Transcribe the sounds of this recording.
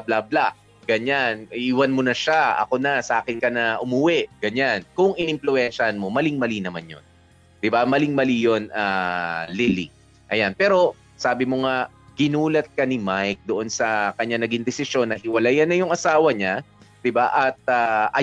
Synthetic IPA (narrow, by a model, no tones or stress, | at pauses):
blablaʔ | ɡ̥ɐɲanʔiʔiːwɐnmonɐʃaɐ̰ko̞nɐsɐʔaːkɪnkɐnɐʔʊmʊwɛʔɡ̥ɐɲankʊŋʔɪnɪmplʊɛnʃɐnmo̞mɐlɪŋmɐlinɐmanjo̰n | d̪̥ɪbamɐlɪŋmɐlijo̞nalɪlḭ | ʔɐjanpɛːɾo̞ | saːbɪmoŋa | ɡ̥ɪnuːlɐt̪̚kɐnɪmajk̚d̪oʔo̞nsɐkɐɲːaŋnɐɡɪŋd̪ɛsɪʃjo̞nːɐhɪwɐlajɐnːɐjʊŋʔɐsaːwɐɲad̪̥ɪbaʔɐt̪̚aʔɐ